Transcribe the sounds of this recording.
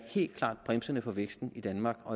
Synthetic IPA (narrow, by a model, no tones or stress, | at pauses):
he̝̰ːld̥̚kʰlɑ̰̈ːd̥̚b̥ʁɛmsənəfɒ̽ʋeɡ̥sd̥n̩id̥ænmɑ̈ːɡ̥ɒ̽